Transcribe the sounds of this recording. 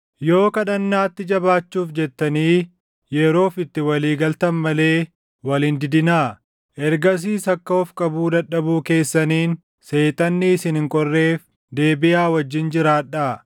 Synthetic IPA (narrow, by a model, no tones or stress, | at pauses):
jo̞ːkɐᶑɐnːaːt̪ːɪd͡ʒɐbaːt͡ʃːuːfd͡ʒɛt̪ːɐniː | jɛɾo̞ːfɪt̪ːɪwɐliːɡɐlt̪ɐnmɐle̞ː | wɐlɪnd̪ɪd̪ɪnaː | ʔɛɾɡɐs̬iːsɐkːɐɔfkʼɐbuːd̪ɐᶑɐbuːke̞ːsːɐniːn | se̞ːt̪ʼɐnːisɪnɪŋkʼɔrːe̞ːf | d̪e̞ːbɪjaːwɐd͡ʒːɪnd͡ʒɪɾaːᶑa